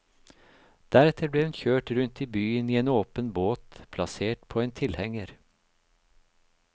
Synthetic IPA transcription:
d̪̥æɾɛt̪ʰəbleːhʉnçøːʈɾʉnt̪iːbyːəniːeːnoːpənboːt̪pʰlɑseːʈpʰoːeːnt̪ʰɪlhɛŋəɾ

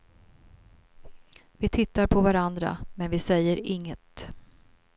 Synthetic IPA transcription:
vɪt̪ʰɪt̪ːaɾpʰɔvaɾand̪ɾa̰mɛnvɪsɛjːəɾɪŋːət̪

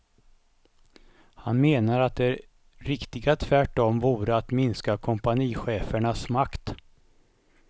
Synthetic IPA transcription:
hanmeːnaɾat̪̚d̪ɛæɾ | ɾɪkt̪ɪɡat̪ʰvæʈːɔmvuːɾəat̪mɪnskakʰɔmpaniːɧeːfəɳasmakt̪

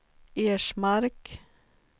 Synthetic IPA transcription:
eːʃmɑɾk

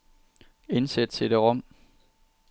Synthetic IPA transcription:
e̝nsed̥̚t͡sʰe̝d̥e̝ʁɔm̰

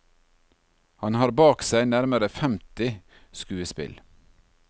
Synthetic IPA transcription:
hɑnhɑːɾbɑːksæɪnæɾməɾəfɛmt̪ɪ | skʉːəspɪ̰l

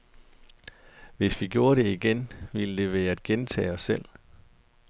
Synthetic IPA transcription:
ʋe̝sʋiɡ̥jo̝ːɐɾe̝iɡ̥enʋiləd̥e̝ʋe̝̰ːɐæd̥̚ɡ̥ent͡sʰɛ̰ːɒ̽sːel̰

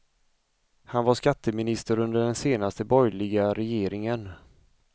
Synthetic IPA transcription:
hanvaʂkat̪ʰːəmɪnɪst̪əɾɵnd̪əɖɛnseːnast̪əbɔjlɪɡaɾɛjeːɾɪŋən

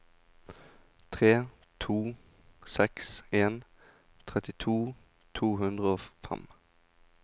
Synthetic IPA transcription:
t̪ʰʁeː | t̪ʰuː | sɛkseːn | t̪ʰʁɛt̪ɪt̪ʰuː | t̪ʰuːɦʉnd̪ʁəoːfɛ̰m

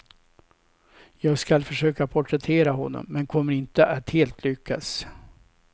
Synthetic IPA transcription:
jɑːɡskalfœʂøːkapʰʊʈɾɛt̪ʰeːɾaɦɔnːɔ̰mːɛnkʰɔmːəɾɪnt̪əʔat̪heːlt̪ʰlʏkʰːa̰s

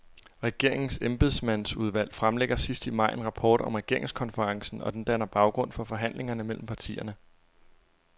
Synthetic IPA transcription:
ʁɛɡ̥e̝ɐ̰e̝ŋn̩semb̥eðˠsmæn̰suð̞ˠʋæl̰fʁamleɡ̥ɐsisd̥imɑ̈ɪ̰e̝nʁɑ̈pʰɒ̰ːd̥ɒ̽mʁɛɡ̥e̝ɐ̰e̝ŋskʰɒ̽nfəʁɑ̈ŋsn̩ɒ̽d̥end̥ænɐb̥ɑ̈ʊɡ̥ʁɔ̽n̰fɒ̽fɒ̽ɦæn̰le̝ŋɐnəmel̰m̩pʰɑ̈t͡sʰḭːɐnə

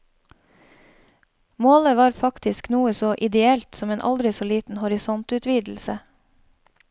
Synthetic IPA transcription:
moːləʋɑːɾfɑkt̪ɪsknuːəsoːʔɪd̪ɛɛlt̪sɔmeːnʔɑ̰ld̪ɾɪsoːliːt̪n̩hɔɾɪsɔnt̪ʉːt̪ʰʋiːd̪l̩sə

